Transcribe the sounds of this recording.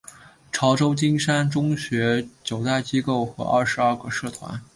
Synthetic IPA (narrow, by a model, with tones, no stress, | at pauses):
ʈ͡ʂʰɑ˧˥ʊʈ͡ʂo˥ʊt͡ɕi˥nʂa˥nʈ͡ʂʊ˥ŋɕɥɛ˧˥t͡ɕjo˨˩ʊt̪a˥˩ɪt͡ɕi˥ko˥˩ʊxɤ̰˧˥ʔɐ̰˥˩ʂɻ̩˧˥ɐ˞˥˩ɡə˨ʂɤ˥˩t̪ʰwa̰˧˥n